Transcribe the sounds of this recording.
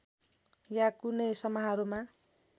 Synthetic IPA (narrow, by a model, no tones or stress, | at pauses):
jakunʌjsʌmaɦaɾuma